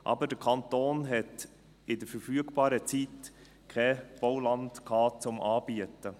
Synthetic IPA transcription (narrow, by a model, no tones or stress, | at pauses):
ʔɑ̰bədəkʰɑnt̪oːnɦɛt | ɪdəɾfəɾfyəɡbɑːɾət͡sit | kʰɛb̥owlɑntkʰɑːt͡sʊmʔɑːb̥iətə